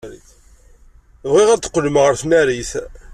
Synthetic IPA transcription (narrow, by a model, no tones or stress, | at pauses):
ɾḭθ | vʁiʁæt͡s̪ːə̥qːələmʁəɾθnæɾiθ